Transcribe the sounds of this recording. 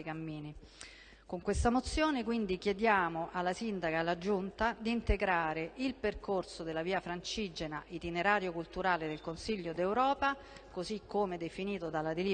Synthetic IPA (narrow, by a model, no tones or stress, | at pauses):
ikamːiːni | koŋkwest̪amot̪sːjoːnekwind̪ikjed̪jaːmoʔalːasind̪akaːlːad͡ʒunt̪ad̪iːnt̪eɡɾaːɾeʔilperkorsod̪elːaviːafɾant͡ʃid͡ʒenaʔit̪ineɾaːɾjokult̪uɾaːled̪elkonsiʎːod̪ewɾɔːpa | kozikʰːomed̪efiniːt̪od̪alːad̪eli